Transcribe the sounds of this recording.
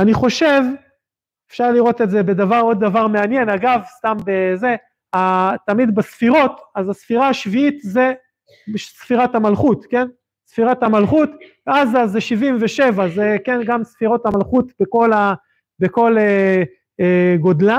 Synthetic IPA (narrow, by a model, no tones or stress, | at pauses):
aniχo̞ʃe̞v | efʃaʁliʁo̞t̪e̞ze̞be̞d̪avaʁo̞d̪ːavaʁmeanje̞naɡavst̪ambe̞ze̞ | at̪amid̪basfiʁo̞t̪azasfiʁaːʃviit̪ze̞ | ʃsfiʁathamalχut̪ke̞n | sfiʁathamalχut̪vazazeʃivimveʃe̞vaze̞ke̞nɡamsfiʁo̞tamalχut̪beko̞la | beko̞le | eɡo̞d̪la